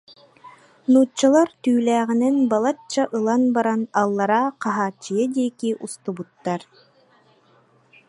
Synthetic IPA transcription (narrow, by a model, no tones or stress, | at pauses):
nuːt͡ɕːalˠaɾt̪yːlæːʁinɛnbalˠat͡ɕːaʔɯlˠanbaɾanalˠːaɾaqaɦaːt͡ɕːijad̪iɛkiʔust̪ubut̪ːaɾ